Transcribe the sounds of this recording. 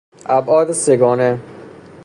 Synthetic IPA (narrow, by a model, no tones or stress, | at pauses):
æbɒːd̪eseɡɒːne